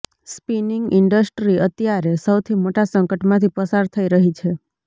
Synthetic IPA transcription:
spiniŋɡɪɳɖəsʈɾiʔət̪jaɾesəwt̪ʰimoʈasəŋkəʈmãt̪ʰipəsaɾt̪ʰəiɾəɦit͡ʃʰe

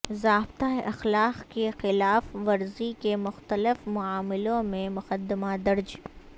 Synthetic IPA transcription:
zaːbt̪aeʔɐxlaːqkexɪlaːfʋɐɾzikemʊxt̪əlɪfmʊaːmɪlõmẽmʊqəd̪ɪmad̪ɐɾd͡ʒ

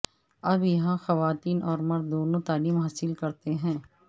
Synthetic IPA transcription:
ɐbjɐɦãxɐʋaːt̪iːnʔɔːɾmɐɾd̪ːoːnõt̪aːliːmɦaːsɪlkɐɾt̪eɦɛ̃ː

